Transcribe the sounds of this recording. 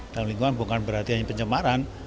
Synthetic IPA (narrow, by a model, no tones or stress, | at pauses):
d̥amliŋɡuanbuŋkanbəɾart̪iaipəɲt͡ʃəmaɾan